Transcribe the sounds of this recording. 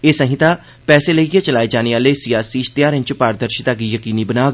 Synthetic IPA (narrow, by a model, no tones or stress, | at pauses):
eːsəɦɪ̃t̪aː | pɛːseːləiɡeːt͡ʃəlaːed͡ʒaːneʋaːleːsɪjaːsiːst̪ɪjaːɾɪ̃ɲt͡ʃpaːɾəd̪əɾʃɪt̪aːɡiːjəkiːniːbənaːɡ